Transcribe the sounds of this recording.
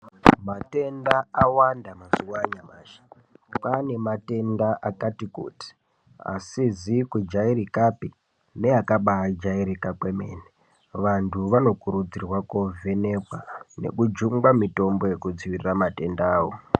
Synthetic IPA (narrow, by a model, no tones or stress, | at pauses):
mate̞ndaawandamazuwaɲamaːʃḁ | pane̞mate̞ndaʔakatikṵːti̥ | a̰sizikud͡ʒaiɾikapi | ne̞akaɓad͡ʒaiɾikakwe̞me̞̰ːne | ʋantʰuʋano̞kuɾud͡zirwakovene̞kwane̞̰kud͡ʒuŋɡamito̞mbo̞je̞kud͡ziʋiriramate̞ndaːwo